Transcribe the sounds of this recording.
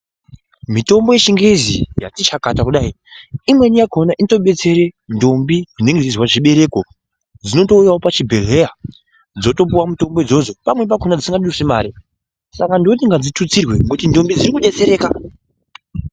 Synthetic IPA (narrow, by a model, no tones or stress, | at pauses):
mito̞mbo̞jeʃiŋɡezḭja̰tit͡ʃakatakuɗai | imwe̞nijakonaʔinto̞ɓe̞t͡se̞ɾendo̞mbiʐine̞ŋɡed͡zizwaʐiɓe̞ɾe̞ko̞ | d͡zino̞to̞ujawopat͡ʃibʱele̞ja | d͡zo̞to̞p̬uwamuto̞mbo̞id͡zo̞d͡zo̞pamwe̞p̬akonad͡zisiŋɡaɗirusemaːɾi | sakandiotiŋɡad͡zitut͡sirwe̞ŋɡutindo̞mbid͡ziɾikuɗe̞t͡se̞ɾe̞ːka